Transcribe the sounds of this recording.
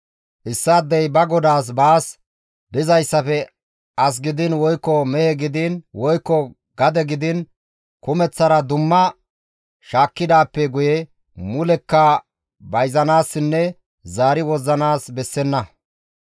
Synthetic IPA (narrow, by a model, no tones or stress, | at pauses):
ʔɪsːɐːd̪ːɛjbɐɡɔd̪aːs̬baːs | bɪzɐjsːɐfɛ | ɐs̬ɡɪd̪ɪnwɔjkːɔmɛhɛɡɪd̪ɪnwɔjkːɔ | ɡɐd̪ɛɡɪd̪ɪn | kʊmɛt͡sːɐɾɐd̪ʊmːɐ | ʃaːkːɪd̪aːpːɛɡʊjɛ | mʊlɛkːɐ | bɐjzɐnaːsːɪnːɛ | zaːɾɪwɔzːɐnaːsbɛsːɛnːɐ